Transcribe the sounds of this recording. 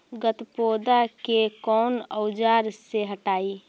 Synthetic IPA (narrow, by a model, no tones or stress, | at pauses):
ɡət̪poːd̪akekɔːnəwd͡ʒaːɾseɦəʈaːi